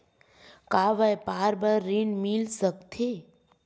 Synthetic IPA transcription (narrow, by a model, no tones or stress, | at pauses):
kaːʋəjpaːɾbəɾːinmilsəkt̪ʰe